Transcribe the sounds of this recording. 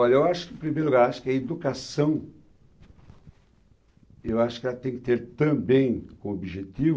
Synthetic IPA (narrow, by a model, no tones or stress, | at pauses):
ɔʎɐewaʃʊ̥kɪẽpɾimejɾluɡaɾaʃʊ̥kɛed̪ukasɐ̃w̃ | ewaʃʊ̥kɪɛlɐt̪ẽj̃kɪ̥t̪eɾt̪ɐ̃bẽj̃kõobiʒet̪iv